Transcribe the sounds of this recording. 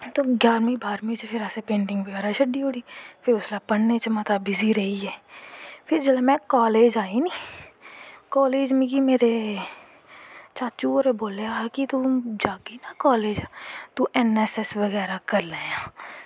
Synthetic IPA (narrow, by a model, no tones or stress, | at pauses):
t̪oːɡjaːɾmĩbʱaːɾmĩsepʰɪɾɛːsepẽːɳʈɪ̃ŋɡʋəɡɛːɾaʃɐɖioːɽifʰɪɾʊslapɐnːet͡ʃɐmət̪abɪziɾɐɦiɦɛːpʰɪɾd͡ʒɐlamɛ̃kɔːleːd͡ʒaːinĩ | kɔːleːd͡ʒmĩɡimeːɾe | t͡ʃaːt͡ʃuːoɾeboːleakit̪ud͡ʒaːkinakɔːleːd͡ʒat̪uɛnɛːsɛsʋɐɣɛːɾakɐɾlejãː